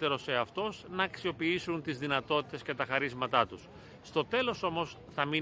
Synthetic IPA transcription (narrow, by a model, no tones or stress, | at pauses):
e̞ɾo̞se̞ɐft̪o̞snɐːksio̞piisunt̪izðinɐt̪o̞t̪i̥t̪e̞sce̞t̪ɐxɐɾizmɐt̪ɐt̪usː | t̪o̞t̪e̞lo̞so̞mo̞s | θɐmi